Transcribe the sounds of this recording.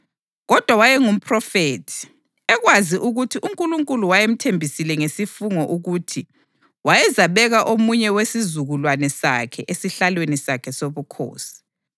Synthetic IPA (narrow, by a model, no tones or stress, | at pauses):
ɣɔd̥ʱwawajɛŋum̩pʰrɔfeːtʰi̥ | ɛɣwaziʔuɣutʰiʔuŋkʼuluŋkʼuluwajem̩tʰembʱisilɛŋesifuŋɔʔuɣutʰi | wajɛzaβɛɣaʔomuɲɛwesizuɣulwanɛsa̰kʰɛʔesiɬalwenisakʰɛsoβukʰo̰ːsi̥